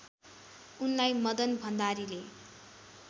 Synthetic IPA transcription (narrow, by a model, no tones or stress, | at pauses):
unlajmʌd̪ʌnbʱʌnd̪aɾile